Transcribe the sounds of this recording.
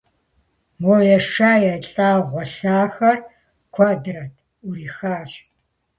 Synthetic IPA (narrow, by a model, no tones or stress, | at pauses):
mɔjɛʂaːjɛɬʼaːʁʷɔɬaːxɐr | kʷʰɐdɨrɐtʰ | ʊɾiːxaːɕ